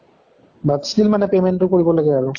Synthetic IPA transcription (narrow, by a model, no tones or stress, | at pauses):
babslilmanɛpemɛntʊkoɹibɔlaɡɛaɹʊ